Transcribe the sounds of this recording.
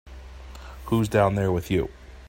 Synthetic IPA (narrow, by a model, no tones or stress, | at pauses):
huzdãʊ̃nðə˞wɪðjʉ̰